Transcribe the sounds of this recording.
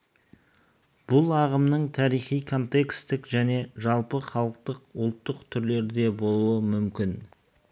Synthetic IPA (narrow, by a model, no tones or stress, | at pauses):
b̥ʊlˠɑʁəmnəɴt̪ʰɑɾijχijkʰo̞nt̪e̞kst̪ɪkʒæne̞ʒɑlˠpəχɑlˠəq̚t̪əqʊlˠt̪ːəqt̪ʰʏɾle̞ɾd̪e̞bo̞lˠuəmʏmkʲɪn